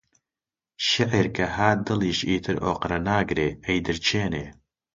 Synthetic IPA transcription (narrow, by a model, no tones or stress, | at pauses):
ʃɪʕiɾkʰɐhaːd̪ɨliːʃiːt̪ʰɨɾoːqɾɐnaːɡɾeːɐjd̪ɨɾt͡ʃʰeːneː